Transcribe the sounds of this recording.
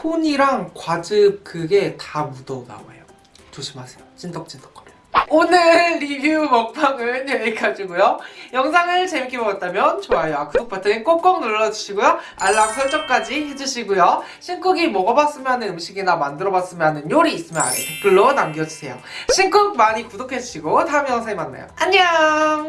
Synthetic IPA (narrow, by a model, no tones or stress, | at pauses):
pʰoɲiɾaŋkwad͡ʑɯp̚kɯɡe̞tamudʌna̰wa̰jo | t͡ɕoɕʰimasʰejot͡ɕ͈indʌk̚t͡ɕ͈indʌk͈ʌɾe | onɯɭɾibjumʌk̚pʰaŋɯɭt͡ɕeeɡad͡ʑiɡujojʌŋsʰaŋɯɭt͡ɕe̞mik͈ʰebʌɡat̚t͈amjʌnt͡ɕoajoakɯsʰok̚pʰatʰɯink͈ok̚k͈ʌŋnoɭːʌd͡ʑuɕʰiɡujoaɭːaksʰʌɭt͡ɕ͈ʌk̚k͈ad͡ʑiɦed͡ʑuɕʰiɡojoɕʰink͈ɯɡimʌɡʌbas͈ɯmjɦanɯnɯmɕʰiɡinamandɯɾʌbas͈ɯmjʌɦanɯnjoɾiːs͈ɯmjʌna̰netʰok̚p͈joɭːonamɡijʌd͡ʑusʰe̞̰jo̰ɕʰink͈uk̚maɲikudokʰe̞d͡ʑuɕʰiɡotaɯmjʌŋsʰeimanːa̰jo̰aɲa